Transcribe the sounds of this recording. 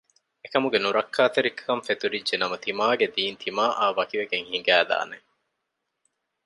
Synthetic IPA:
ekɐmuɡenuɾɐkʰːaːt̪eɾikʰːɐɱfet̪uɾidʒenɐmɐt̪imaːɡed̪iːnt̪ʰimaːʔaːʋɐkiʋeɡeŋhiŋɡæːd̪a̰ːne

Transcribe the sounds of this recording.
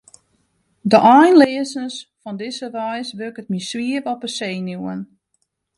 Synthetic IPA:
dəʔɔjnlɪəsnəsfɔndɪsəʋɔjsʋøkətmisʋiəvɔpəseːnjuːən

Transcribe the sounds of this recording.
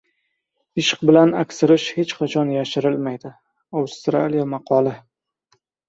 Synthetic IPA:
ɪʃɨ̥q̚bɪlanakʲsɪɾɪʃhe̞t͡ʃqʰɑt͡ʃʰɒnjaʃɪɾɪlmajd̪ɪ | awst̪ɾa̰lijamɑqʰɒlɪ

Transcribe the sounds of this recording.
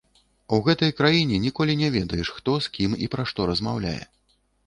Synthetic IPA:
uɣɛt̪ɐjkɾajinʲɛnʲikɔlʲinʲɛvʲɛd̪ɐjɛʂxt̪ɔskʲimḭpɾaʂt̪ɔɾɐzmawlʲa̰jɛ̰

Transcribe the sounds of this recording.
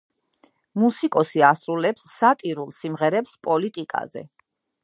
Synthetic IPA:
musikʼɔsiasɾulɛpsːat̪ʼiɾulˠsimʁɛɾɛpspʼɔlit̪ʼikʼa̰zɛ̰

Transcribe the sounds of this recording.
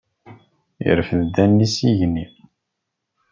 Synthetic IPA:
ḭɾəfðd̪ænːisiʝnːi

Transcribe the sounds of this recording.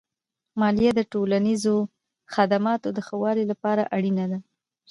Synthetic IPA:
mɑlijad̪əʈolanizo | xad̪amɑt̪od̪əxawɑɾilapɑɾaʔaɽinad̪a

